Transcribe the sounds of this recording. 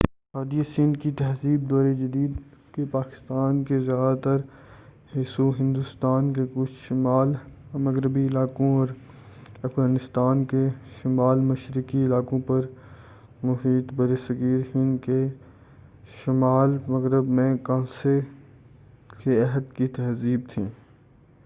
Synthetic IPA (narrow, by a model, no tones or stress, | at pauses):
aːd̪ijasiːnkit̪ɛɦziːb̚d̪ɔːɾed͡ʒɐd̪iːd̪ | kepaːkɪ̥st̪aːnkezjaːd̪at̪ɐɾheːsoɦɪ̃nd̪ust̪aːnkekʊt͡ʃʰʃɪmaːlmɐɣɾəbiɪlaːkõɔːɾ | ɐfɣaːnɪst̪aːnkeʃɪmaːlmɐʃɾɪkiɪlaːkõpɐɾ | mʊɦiːd̪bɐɾesəkiːɾhɪ̃nke | ʃɪmaːlmɐɣɾəbmẽkãːse | keɛɦəd̪kit̪ɛɦziːb̚t̪ʰĩː